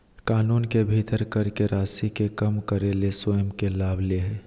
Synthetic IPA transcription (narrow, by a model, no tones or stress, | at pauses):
kaːnuːnkebʱiːt̪əɾkəɾkeɾaːsikekəmkəɾelesoəmkelaːbʱleɦɛ